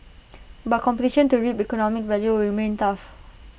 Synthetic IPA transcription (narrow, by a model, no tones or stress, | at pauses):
bat̚kʰɔ̃mpətiʃə̃ntuɹipikɔnɔmik̚vɛljuɹimẽntaf